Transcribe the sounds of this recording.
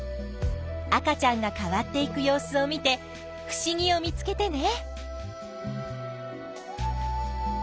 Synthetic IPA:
akat͡ɕãŋɡakaβat̪ːe̞ikɯ̟jo̞ːsɨo̞mʲit̪e̞ | ɸɯ̟̥ɕiɡ̟ʲio̞mʲit͡sɨ̥ke̞t̪e̞ne̞

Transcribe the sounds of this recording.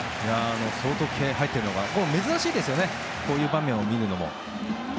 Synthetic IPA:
jaːno̞so̞ːt̪o̞kʰeːɦait̪ːe̞ɾɯ̟no̞ɡakome̞zɨɾaɕiːd̪e̞sɨjo̞ne | ko̞ːjɯ̟ːbãmʲːẽ̞ɰ̃o̞mʲiɾɯ̟no̞mo̞̰

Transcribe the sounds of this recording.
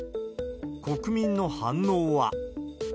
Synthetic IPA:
ko̞kɯ̟mʲĩnːo̞hãnːoːβa̰

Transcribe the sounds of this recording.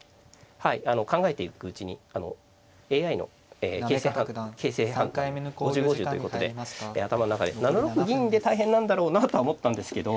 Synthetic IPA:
haiano̞kãŋɡae̞t̪e̞ikɯ̟ɯ̟t͡ɕiɲ̟ḭano̞̰ | e̞ːaino̞̰ | eːe̞ːseːhãkʰe̞ːse̞ːhãŋɡoʑɨːɡoʑɨːt̪oiɯ̟kot̪o̞d̪e̞eːat̪amanonakad̪e̞nanoɾokɯ̟ɡʲĩd̪e̞t̪aiɦẽ̞nːãnd̪aɾo̞ːnat̪oaomot̪ːãnd̪e̞sɨ̥ke̞d̪o

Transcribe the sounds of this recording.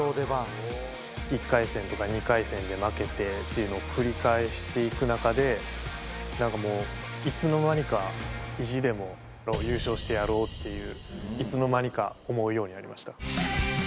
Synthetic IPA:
oːd̪ebã | ikːaisẽ̞nt̪o̞kaɲ̟ikaisẽ̞nd̪e̞make̞t̪e̞t̪ːe̞jɯ̟no̞ːkʰɯ̟ɾʲikae̞ɕi̥t̪e̞ikɯ̟nakad̪e̞ | nãŋkamo̞ː | it͡sɨno̞maɲ̟ikaiʑid̪e̞mo̞ | jaɾo̞ːjɯ̟ːɕo̞ːɕi̥t̪e̞jaɾo̞ːt̪ːe̞jɯ̟ːit͡sɨno̞maɲ̟ika̰o̞mo̞ɯ̟jo̞ːɲ̟iaɾʲḭmaɕi̥t̪a

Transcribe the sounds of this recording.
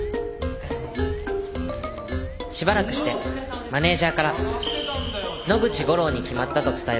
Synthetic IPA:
ɕibaɾakɯ̟ɕi̥t̪e̞ | mane̞ːʑaːkaɾa | no̞ɡɯ̟t͡ɕiɡo̞ɾo̞ːɲ̟ikʲimat̪ːat̪o̞t͡sɨ̥t̪ae

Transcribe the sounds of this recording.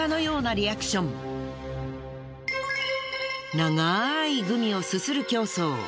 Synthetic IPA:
ano̞jo̞ːnaɾʲiakɯ̥ɕõ̞m | naŋaiɡɯ̟mʲio̞sɨsɨɾɯ̟kʲo̞ːso̞ː

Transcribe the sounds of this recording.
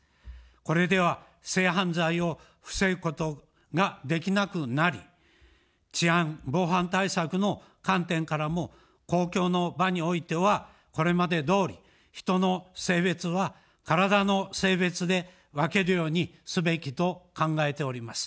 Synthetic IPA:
ko̞ɾe̞d̪e̞β̞a | se̞ːɦãnzaio̞ | ɸɯ̟̥se̞ɾɯ̟ko̞t̪o̞ | ɡad̪e̞kʲinakɯ̟naɾʲi | t͡ɕiãbo̞ːɦãnt̪aisakɯ̟no̞ | kãnt̪ẽ̞ŋkaɾamo̞ | ko̞ːkʲo̞ːno̞baɲ̟io̞it̪e̞βa | ko̞ɾe̞mad̪e̞d̪o̞ːɾʲḭ | çi̥t̪o̞no̞se̞ːβe̞t͡sɨβa | kaɾad̪ano̞se̞ːβe̞t͡sɨd̪e̞ | βake̞ɾɯ̟jo̞ːɲ̟isɨbe̞kʲit̪o̞kãŋɡae̞t̪e̞o̞ɾʲimasɨ̥

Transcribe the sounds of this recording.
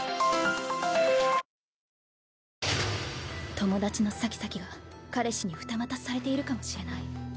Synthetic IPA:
t̪o̞mo̞d̪at͡ɕino̞sakʲi̥sakʲiɡakaɾe̞ɕiɲ̟iɸɯ̟̥t̪amat̪asɨ̥saɾe̞t̪e̞iɾɯ̟kamo̞ɕiɾe̞nai

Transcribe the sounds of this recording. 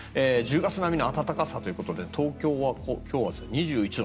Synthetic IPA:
ed͡ʑɨːɡat͡sɨnamʲinoat̪at̪akasat̪o̞jɯ̟ko̞t̪o̞d̪e̞t̪ʰo̞ːkʲo̞ːβakokʲo̞ːβazɨɲ̟iʑɨːit͡ɕino

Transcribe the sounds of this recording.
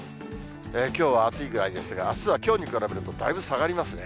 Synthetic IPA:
eːkʲo̞ːβ̞aːt͡sɨiɡɯ̟ɾaid̪e̞sɨɡaːsɨβakʲo̞ːɲ̟ikɯɾabeɾɯ̟t̪od̪a̰ibɯ̟saɡaɾʲimasɨne̞

